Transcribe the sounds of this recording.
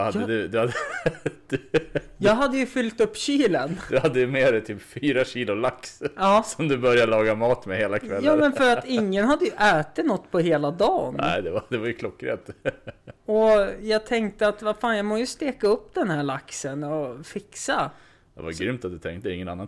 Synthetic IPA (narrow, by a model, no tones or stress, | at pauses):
had̪ːəd̪ʉd̪ɵhad̪əd̪̥jɑːɡɦad̪ːəjɵfʏlt̪ɵpːɕiːlənd̪ɵhad̪ːəjmeːɾɛt̪ʰyːpfyːɾaɕiːlʊlaksɑːsɔmd̪ɵbœɾjalɑːɡamɑːt̪mɛheːlakʰvɛljɑːmɛnfœɾat̪ɪŋːənhad̪ːəjɵʔɛːt̪ɪt̪nɔt̪ːpʰɔɦeːlad̪ɑːnɛ̰ɪd̪ɛvad̪ɛvaɾjɵkʰlɔkːɾḛːt̪ | ɔjɑːɡt̪ʰɛŋk̚t̪əat̪vafaːnjɑːmoːjɵst̪eːkaɵpːd̪ɛnhæːɭaksənɔfɪksa | d̪ɛ̰va̰jɡɾʏmt̪at̪̚d̪ɵt̪ʰɛŋkt̪əɪŋːənanːan